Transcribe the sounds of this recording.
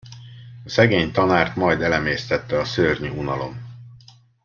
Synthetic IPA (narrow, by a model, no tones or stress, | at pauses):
ɒsɛɡeːɲt̪ɒnaːrt̪mɒjd̪ɛlɛmeːst̪ɛt̪ːɛɒsøːrɲyunɒlo̞̰m